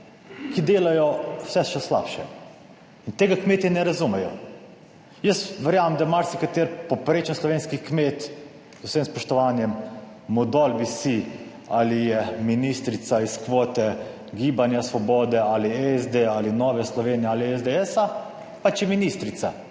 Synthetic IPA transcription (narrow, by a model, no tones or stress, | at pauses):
kid̪eːlajɔw̥sɛʃɛsla̰ːpʃɛ | int̪eːɡakmeːt̪inɛɾazumɛjɔ | jəsʋɛɾjaːʋamd̪amaɾsikat̪eːɾpopɾeːt͡ʃɛnslɔʋeːnskixkmeːt̪ | zusemspɔʃt̪ɔʋanjɛmː | ɔd̪ɔlbisi | alijɛminist̪ɾit̪saiskʋoːt̪ɛ | ɡibanjasʋɔbɔːd̪ɛaliɛzd̪ealinɔːʋɛslɔʋeːnjɛaliɛzd̪ɛɛsa | pat͡ʃjɛminist̪ɾit̪sa